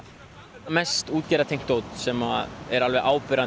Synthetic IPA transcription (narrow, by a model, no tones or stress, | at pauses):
mɛst̪uːt̪̚cɛːɾat̪ʰejŋkt̪oːwt̪sɛmaɛɾalvɛʔaːwpɪɾan